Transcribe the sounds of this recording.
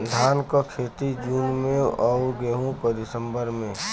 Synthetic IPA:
d̪ʱaːnkokʰeːt̪id͡ʒuːnmẽɔɡeːɦõkod̪ɪsə̃mbəɾmẽ

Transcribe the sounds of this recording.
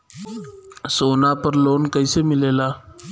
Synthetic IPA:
soːnaːpəɾloːnkəiːsemɪleːlaː

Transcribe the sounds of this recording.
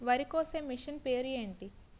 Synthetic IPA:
ʋɐɾikoːsɐmːiʂɐnpe̞ːɾieːɳʈi

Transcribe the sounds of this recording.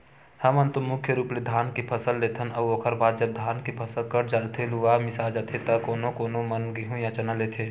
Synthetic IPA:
hɐmənt̪omʊkʰjəɾuːpled̪ʱaːnkipʰɐsəlːeːt̪ʰənɐːoːkʰəɾbaːd̪̚d͡ʒɐb̚d̪ʱaːnkipʰɐsəlkəɾd͡ʒat̪ʰeluʋaːmɪsaːld͡ʒat̪ʰet̪ɐkoːnõkoːnomɐnɡiɦũjãt͡ʃɐnəleːt̪ʰeː

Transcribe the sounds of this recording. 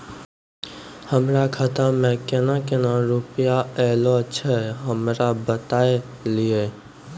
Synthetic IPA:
həmɾaːkʰət̪aːmẽkenãkenãɾupɪjaɛːlot͡ʃʰɛɦəmɾabət̪aːe | lieː

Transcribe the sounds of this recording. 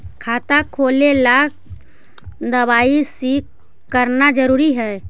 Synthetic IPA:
kʰaːt̪akʰoːlelaːk̚ʰ | d̪əβaːisik | kəɾnad͡ʒəɾuːɾiɦɛː

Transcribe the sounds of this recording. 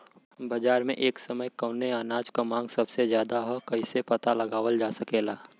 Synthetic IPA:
bɐd͡ʒaːɾmḛ̃ʔeːksɐməjkɐːneaːnaːd͡ʒkamãːŋɡsɐbsezjaːd̪aɦɛkɐisepɐt̪alɐɡaːʋəld͡ʒaːsɐkeːlaː

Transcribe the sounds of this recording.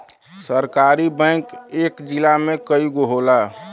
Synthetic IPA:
səɾkaɾibɛ̃ɪkeːkd͡ʒilamẽkəiɡoɦola

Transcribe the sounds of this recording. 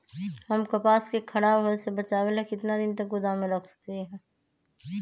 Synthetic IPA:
hɐmkɐpaːskekʰɐɽabɦɐlsebɐt͡ʃaːwelekɪt̪nad̪ɪnt̪ɐkɡʊd̪amẽɾɐkʰsɐ̥kt̪iɦɛ̃ː

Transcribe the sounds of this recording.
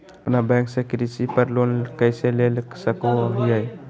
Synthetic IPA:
əpnabɛ̃ŋksekɾisipəɾlonkəjselelsəkoɦujəj

